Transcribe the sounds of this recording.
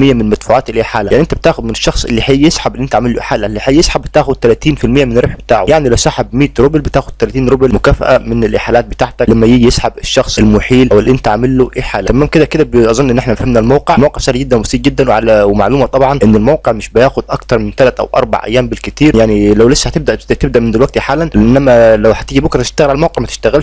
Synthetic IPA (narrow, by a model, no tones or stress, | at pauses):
mɪjːamɪnmat̪fuːʕaːt̪ɪlʔeːħaːlaaʕniʔɪnt̪ab̚t̪aːxʊd̪mɪnɪʃːɑxsˤʔɪ̰lːiħaːjːɪsħabɪlːʔɪnt̪aʕamɪlːʊʔḛħaːlːaʔlːiħajːɪsħabːɪt̪aːxʊd̪̚t̪alaːt̪iːnfɪlmɪjːamɪnɾɪbħbɪt̪aːʕʊ̰jaʕnilawsˤaːħɪbmiːt̪ɾʊblbɪt̪aːxʊd̪̥̚t̪alat̪iːnɾʊblmʊkaːfa̰ʔamɪnɪlʔɪ̰ħaːlaːt̪̚bɪt̪aːʕt̪æklæmːæjijɪsħabɪʃːɑxsˤʔɪlmʊħiːlʔæwɪlːʔɪnt̪æʕamɪlːoʔeːħaːlæt̪æmaːmkɪd̪ækɪd̪æbʔɑzˤɑnːʔnːʔeħnæmæfhæmnælmawqeʕlmawqeʕsaːliɡɪd̪ːænwɑsˤiːʔɡɪd̪ːænwʕalæwɪmaʕluːmɑt̪ˤɑbʕɑnʔɪnːɪlmawqeʕmɪʃbɪjaːxʊd̪̚ʔɑkt̪ɑɾˤmɪnt̪ælat̪ʔæ̰wʔɑ̰ɾˤba̰ʕʔæ̰jːaːmbɪlkɪt̪iːɾjaʕnilæwlɪsːhæt̪ɪb̚d̪æʔt̪ɪb̚d̪æʔmɪnd̪ɪlwæɡ̚t̪iħaːlːanʔɪnːæmælæwhæt̪ɪd͡ʒibʊkɾˤɑt̪ɪ̥ʃt̪aɣlʕalmawqeʕmæt̪ɪ̥ʃt̪æɣɪlʃ